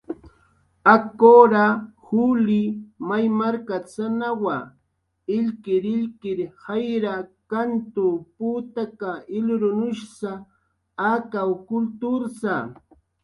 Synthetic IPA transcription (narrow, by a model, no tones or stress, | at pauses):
akoɾahulɪmajmaɾkat͡sanawa | ɪʎkɪɾɪʎkɪɾhajɾakant̪ʊpuːt̪akaɪlɾʊnʊʃsa | akawkʊlt̪ʊɾsa